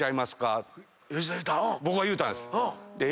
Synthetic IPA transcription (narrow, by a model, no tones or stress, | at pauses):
aimasɨ̥ka | joiait̪abo̞kɯβajɯ̟ːt̪ãnd̪esɨ̥d̪e